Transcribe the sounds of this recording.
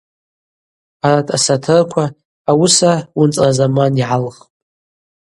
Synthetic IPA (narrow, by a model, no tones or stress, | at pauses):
aratʰʼasatʰɨrkʷʰaː | wʊsawʊnt͡sʼrazamaniʕalχpʼ